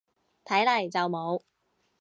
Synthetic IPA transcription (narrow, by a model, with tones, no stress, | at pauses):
t̪ʰɐ˨˥jlɐ˨˩jt͡sɐ˨wmo˨˧w